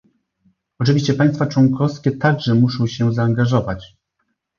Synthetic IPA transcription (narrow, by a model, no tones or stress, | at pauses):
ɔt͡ʂɘvʲiɕt͡ɕɛpajst̪fat͡ʂwɔŋkɔfskʲɛt̪aɡʐɛmuʂɔ̃w̃ɕɛzaːŋɡaʐɔvat͡ɕ